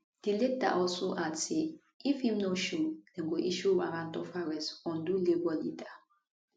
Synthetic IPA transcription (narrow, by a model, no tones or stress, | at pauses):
d̥ileta̰ʔɔlsoʔadse | ifhĩmnoʃud̥ɛ̃nɡoʔiʃuwa̰ɾãntɔfaɹɛsɔ̃ndulebɔlida